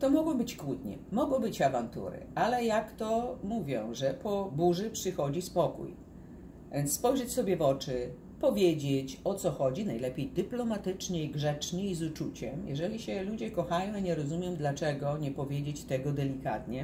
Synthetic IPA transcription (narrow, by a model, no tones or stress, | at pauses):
t̪ɔmɔɡwɔ̃w̃bɘt͡ɕkwud̪ɲɛ̰mɔɡwɔ̃w̃bɘt͡ɕavant̪ṵɾɘ̰alɛjakt̪ɔmuvʲjɔ̰̃w̃ʐɛpʰɔbuʐɘpʂɘxɔd͡ʑispɔkṵj | vʲɛnsspɔjʐɛt͡ɕsɔbʲjɛvɔt͡ʂɘ | pɔvʲjed͡ʑet͡ɕɔt̪sɔxɔd͡ʑinajlɛpʲjejd̪ɘplɔmat̪ɘt͡ʂɲɛiɡʐɛt͡ʂɲɛizut͡ʂut͡ɕɛ̰mjʔɛ̰ʐɛlʲiɕɛlud͡ʑɛkɔxajɔ̃w̃iɲɛɾɔzumʲjɛmd̪lat͡ʂɛɡɔɲɛpɔvʲjed͡ʑet͡ɕt̪ɛɡɔd̪ɛlʲikat̪ɲɛ